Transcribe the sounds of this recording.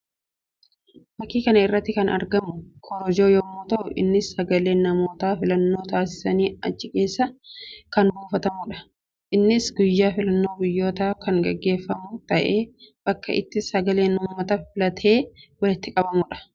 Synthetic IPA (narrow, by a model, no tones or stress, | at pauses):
bɐkːiːkɐnɐɪrːɐt̪ːɪkɐnɐ̰ɾɡɐmʊkʰɔɾɔd͡ʒo̞ːjɔmoːt̪ɐʔʊʔɪ̰nːɪsːɐɡɐle̞ːnːɐmo̞ːt̪aːfɪlɐnːo̞ːt̪aːsɪ̥sɐniːɐt͡ʃːɪke̞ːsːɐkɐnbuːfɐt̪ɐmʊᶑɐ̥ | ʔɪnːɪsɡʊjːaːfɪlɐnːo̞ːɡʊjːo̞ːt̪aːkɐŋɡɐɡːe̞ːfːɐmʊt̪ɐʔeːb̥ɐkːɐʔɪ̰t̪ːɪsɐɡɐle̞ːnʊmmːɐt̪ɐfɪlɐt̪ʰe̞ːwɐlɪt̪ːɪkʼɐbɐmʊᶑɐ̥